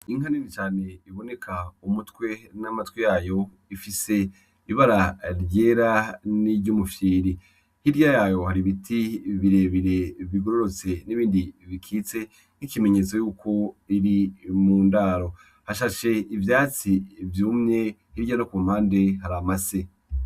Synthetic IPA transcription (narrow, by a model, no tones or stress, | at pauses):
iŋ̥aninit͡ʃaːne̞iβo̞ne̞kʰaumutwe̞namatwijaːjo̞ | ifise̞ | iβaɾaɾɟe̞ːɾaniɾɟumufjiːɾi | hiɾjajaːjo̞haɾiβitʰiβiɾe̞βiɾe̞βiɡo̞ɾo̞ɾo̞t͡se̞niβiːndiβikʰiːt͡se̞ | nikime̞ɲe̞t͡so̞juːkʰo̞iɾimuːndaːɾo̞ | haʃaʃe̞ivjaːt͡sivjuːmɲe̞hiɾɟanokuːm̥haːnde̞ɦaɾamase